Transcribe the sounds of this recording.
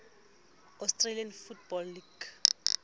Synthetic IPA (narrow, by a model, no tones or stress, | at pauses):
ɔstʼralianfut̚bɔlːiɡ̥